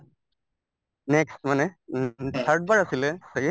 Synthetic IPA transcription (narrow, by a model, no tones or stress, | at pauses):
nɛksmanɛt̪ʰaɹʈ̚baɹasilɛsaɡi